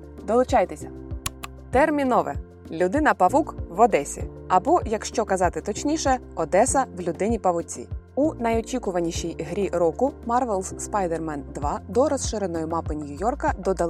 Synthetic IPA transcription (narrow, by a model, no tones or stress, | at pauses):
d̪ɔlˠʊt͡ʃɑjt̪esʲɐ | t̪ɛrmʲinɔʋɛ̰ | lʲʊd̪ɪnɐpɐʋukʋɔd̪ɛsʲḭɐbɔjɐkʃt͡ʃɔkɐzɑt̪ɪt̪ɔt͡ʃnʲiʃɛɔd̪ɛsɐwlʲʊd̪ɪnʲipɐʋʊt͡sʲḭ | unɐjɔt͡ʃʲikʊʋɐnʲiʃijɦɾʲiɾɔkʊmɑrʋɛlˠsspajd̪ermɛnd̪ʋɑd̪ɔɾɔsʃɪɾenɔjʊmɑpɪnʲijʊjɔrkɐd̪ɔd̪ɐ